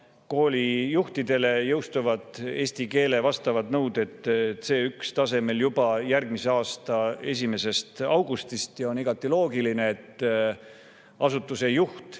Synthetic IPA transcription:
ko̞ːlʲijuht̪id̪̥e̞le̞jɤwst̪uvɑd̪e̞ːsʲt̪ike̞ːle̞vɑst̪ɑvɑd̪nɤwd̪̥e̞t̪ːˑt̪ːse̞ːykst̪ɑse̞me̞ljubɑjærɡ̥mise̞ɑːst̪ɑe̞s̬ʲime̞se̞st̪ɑwɡ̥ust̪ist̪jɑo̞niɡ̥ɑt̪ːˑilo̞ːɡiline̞ːt̪ː | ʔɑsut̪ːˑuse̞juht̪

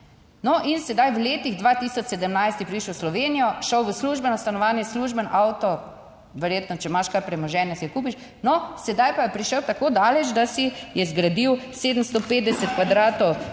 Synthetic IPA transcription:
nɔʔinsɛd̪ajʋleːt̪iɣd̪ʋaːt̪isɔt͡ʃ̪ːɛd̪əmnajst̪ipɾiʃəwslɔʋeːnijɔʃɔwʋəsluʒbɛnast̪anɔʋaːnjɛsluːʒbənʔawt̪ɔ | ʋɛɾjeːt̪nɔt͡ʃɛmaʃkaɾpɾɛmɔʒɛnjɛsiɛkuːp̬iʃ | nɔsɛd̪ajpajɛpɾiʃəwt̪akoːd̪aːlɛt͡ʃd̪asijɛzɡɾad̪iwseːd̪əm̩st̪opeːt̪d̪ɛsɛt̪̚kʋad̪ɾaːt̪ɔw

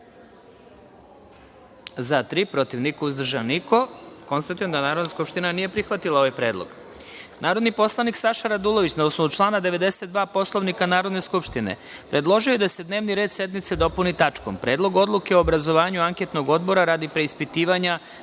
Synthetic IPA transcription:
zat̪ɾipɾo̞t̪iʋnikouzd̪r̩ʒaniko̞ko̞nst̪at̪ujemd̪anaːɾod̪naskupʃt̪inanije̞pɾixʋat̪ilˠao̞ʋajpɾeːd̪lˠo̰ɡ̥ | nʔaːɾo̞d̪nipo̞slˠaniksaʃaɾad̪ulˠoʋit͡ɕnaosnout͡ʃlˠaːnad̪e̞ʋe̞d̪e̞se̞t̪d̪ʋaːpo̞slˠo̞ʋnikanaːɾod̪ne̞skupʃt̪ine̞̰ | pɾe̞d̪lˠo̞ʒioje̞d̪ase̞d̪ne̞ːʋniɾe̞ːd̪sje̞d̪mit̪se̞d̪o̞punit̪at͡ʃko̞̰mpɾe̞ːd̪lˠo̞ɡo̞d̪lˠuke̞oːbɾazo̞ʋaːɲuaŋket̪no̞ɡo̞d̪bo̞ɾaɾad̪ipɾe̞ispit̪iːʋaɲa

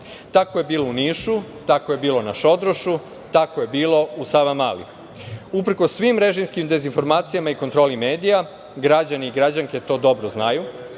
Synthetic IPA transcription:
t̪akoje̞biːlouniːʃut̪akoje̞biːlˠo̞naʃo̞d̪ɾoʃu | t̪akoje̞biːlˠo̞usaʋamalḭ | upɾ̩kosːʋimɾe̞ʒimskimd̪e̞zinfo̞ɾmaːt̪sijamaikont̪ɾo̞ːlime̞ːd̪ija | ɡɾad͡ʑaniiɡɾad͡ʑaŋke̞t̪o̞ːd̪o̞bɾoznaju

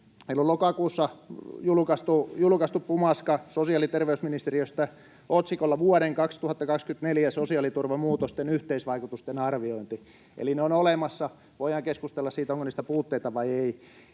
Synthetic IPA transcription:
meilːolokɑkuːsːɑjulkɑst̪ujulkɑst̪uppumɑskɑsosiɑˑlit̪erʋeysminist̪eriøst̪æ | ot̪sikolːɑʋuɑɾeŋkɑkst̪uhɑt̪ːɑkɑkskyt̪neljæsosiɑˑlit̪urʋɑmuːt̪ost̪enyht̪eisʋɑikut̪ust̪enɑrʋioint̪i | ḛlineonolemɑsːɑ | ʋoihɑŋkeskust̪elːɑssiːt̪oŋkonist̪æpuːt̪ːeit̪ɑʋɑiei

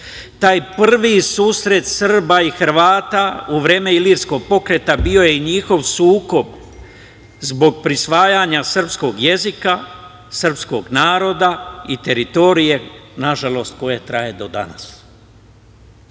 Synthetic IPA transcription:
t̪aːjpr̩ʋisuːsɾe̞t̪srbaixɾʋaːt̪auʋɾeːme̞iliɾsko̞ɡ̚po̞kɾe̞t̪abio̞je̞iɲixo̞ʋsuːko̞b | zbo̞ɡ̚pɾisʋaːjaɲasər̩psko̞ɡje̞zika | sr̩psko̞ɡnaːɾo̞d̪ait̪e̞ɾit̪o̞ɾije̞naʒalo̞st̪̚ko̞je̞t̪ɾaje̞d̪o̞d̪a̰nas

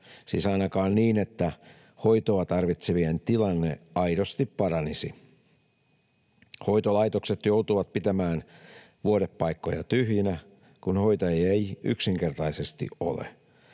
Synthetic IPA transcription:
sḭːsɑinɑkɑːnniːne̞t̪ːæ | ho̞it̪oɑt̪ɑrʋit̪seʋient̪ilɑnːeɑijdost̪ippɑɾɑnisi | ho̞it̪olɑit̪okset̪jowt̪uʋɑt̪̚pit̪æmæːn | ʋuodepːɑikːojɑ̰t̪yɦjinæ | kunho̞jt̪ɑejæeiy̰ksiŋke̞rt̪ɑise̞st̪ḭo̰lḛ

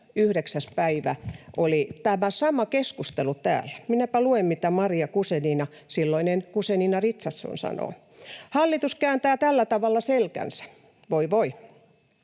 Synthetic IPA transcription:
yhɾeksæspæiʋæʔolit̪æmæsɑmɑkeskust̪elut̪æ̰ːlːæ̥minæpæluemmit̪æmɑriɑkuseniːnɑ | silːoinenkuseniːnɑrit̪sɑsːo̰nsɑ̰no̰ː | hɑlːit̪uskæːnt̪æːt̪ælːæt̪ɑʋɑlːɑselkæ̰nsæ̥ | ʋoiʋoi

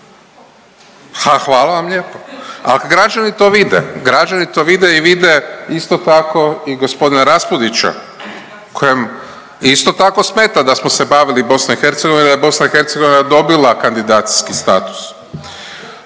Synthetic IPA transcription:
haxʋaːlaʋamʎeːpoa̰lkaɡɾad͡ʒanit̪o̞ʋid̪ḛɡɾad͡ʒanit̪o̞ːʋid̪e̞iʋid̪eist̪ot̪ako̞iɡo̞spo̞d̪inaɾaspud̪it͡ʃa̰ | kʰo̞jem | ist̪o̞t̪ako̞smeːt̪ad̪asmose̞baːʋilibo̞snoixe̞ɾt̪seɡo̞ʋind̪ajebo̞snaixe̞ɾt̪seɡo̞ʋinad̪o̞bilakand̪id̪aːt̪si̥skist̪a̰ːt̪u̥s

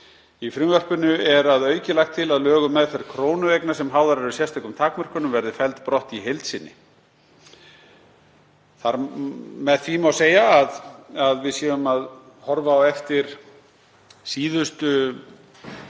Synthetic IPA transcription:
ifɾʏmvœr̥pʏnʏɛɾaðœːɥcɪlajxt̪ʰːɪlaðlœːɣʏmːɛðθeɾkʰɾoːwnʏejknasɛmɦaːwðaɾɛɾʏsjɛst̪ʰɔɛkʏmt̪ʰaːkmœr̥kʏnʏmvɛɾðɪfɛlt̪pɾɔht̪iɦejlt̪sɪnːɪ̰ | θaɾmɛðθvimawseːjaːðaðvɪðsjɛːvʏmað | hɔɾvaːwɛft̪ɪɾ̥ | siːðʏst̪ʏ

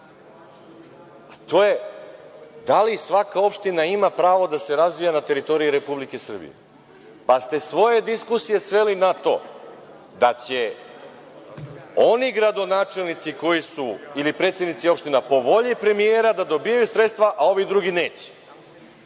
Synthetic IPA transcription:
at̪o̞je̞ | d̪alisʋakao̞pʃt̪inaimapɾaːʋo̞d̪ase̞ɾazʋijanat̪e̞ɾit̪o̞ɾijiɾe̞publike̞sr̩bḭjḛ | past̪e̞sʋo̞je̞d̪iskusije̞sʋe̞linat̪o̞̰ | d̪at͡ɕe | o̞niɡɾad̪o̞naːt͡ʃe̞lˠnit̪siko̞jisuilipɾe̞t̪se̞d̪nit̪sio̞pʃt̪inapo̞ʋo̞ʎipɾe̞mijeːɾad̪ad̪o̞bijajusɾe̞t̪st̪ʋaʔao̞ʋid̪ɾuɡineːt͡ɕe̥

